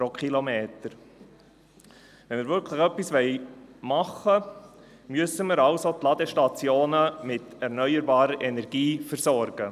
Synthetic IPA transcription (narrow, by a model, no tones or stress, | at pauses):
pɾokʰχilomeːt̪əɾ | ʋɛnməɾvʏɾkʰləχœpːisʋɛɪmɑχə | myəsəməɾɑʊsotlɑd̪əʃtɑt͡sjoːnəmɪtɛɾnœʏəɾbɑːɾəʔɛnɛɾɡ̥iːfəɾsɔɾɡ̥ə